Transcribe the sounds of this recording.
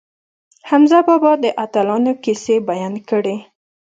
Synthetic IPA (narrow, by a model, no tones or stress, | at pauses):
hamzabɑbɑd̪əʔat̪alɑnokisebajɑnkəɽe